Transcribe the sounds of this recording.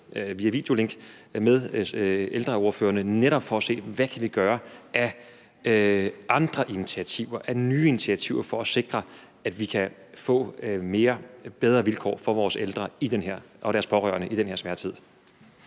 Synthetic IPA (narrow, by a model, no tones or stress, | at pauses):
ʋiæɐʋḭːd̥e̝o̝le̝ŋɡ̥meðˠeld̥ʁɐo̝ɐfø̰ːɐnəneɾɒb̥fɒ̽ːse̝̰ːʋækʰæʋiɡ̥ɶːɐʔæ | ʔɑ̈nd̥ʁɐʔinit͡sʰiæt͡sʰiʊ̰ɐʔænyːinit͡sʰiæt͡sʰiʊɐfɒ̽æse̝ɡ̥ʁɐ | æd̥ʋikʰæ | fɔ̰ːme̝ːɐb̥eð̞ˠʁɐʋilkʰɒ̰ːfɒ̽ʋɒːseld̥ʁɐid̥enheɐ̰ | ʔɒ̽ɾ̥æɐspʰɒ̽ʁœ̰ːɐnəʔid̥enɦeɐsʋæɐt͡sʰið̞̰ˠ